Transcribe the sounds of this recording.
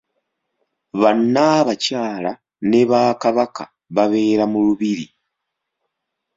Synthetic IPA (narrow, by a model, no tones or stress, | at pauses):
βanːaβacaːla | ne̞βaːkaβaka | βaβe̞ːɾamuluβiɾḭ